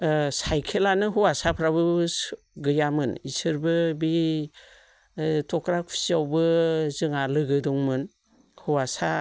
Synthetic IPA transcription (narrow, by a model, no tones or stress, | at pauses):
sajkʰelanɯɦuwasapʰɾabɯ | ɡɯjamɯnisɯɾbɯbi | tʰɔkɾak̚pʰi̥siawbɯzɯŋalɯɡɯdɔŋmɯn | huwasa